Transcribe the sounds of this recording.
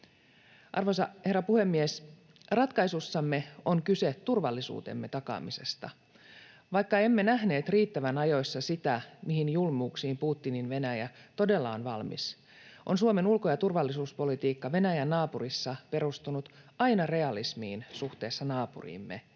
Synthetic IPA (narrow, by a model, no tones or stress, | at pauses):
ʔɑ̰rʋojsɑhe̞rːæpuhe̞mːies | rɑt̪kɑjsusːɑmːe̞o̞ŋkysett̪urʋɑlːisṵːt̪e̞̰mːe̞t̪ɑkɑ̰mise̞st̪ɑ̰ | ʋɑjkːɑe̞mːe̞næɦne̞ːt̪riːt̪ːæʋænɑjo̞sːɑsit̪æmihinjulmuːksiːmpuːt̪ːininʋe̞næjæt̪o̞de̞lːɑonʋɑlmḭs | ʔo̞̰nsuome̞nulkojɑt̪urʋɑlːisuːspo̞lit̪iːkːɑʋe̞næjænːɑːpurisːɑpe̞rust̪unut̪ɑjnɑre̞ɑlismḭːnsuht̪e̞ːsːɑnɑːpṵrḭːmːe̞̰